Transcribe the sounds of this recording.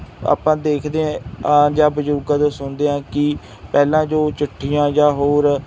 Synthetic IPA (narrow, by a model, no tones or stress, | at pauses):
a̰ːpãːd̪eːkʰd̪eːãːad͡ʒaːbəd͡ʒuɾɡãːd͡ʒoːsʊnd̪eːãːkɪ | pɛːlãːd͡ʒoːt͡ʃʊʈʰːiːjãːjaːɦoːɾ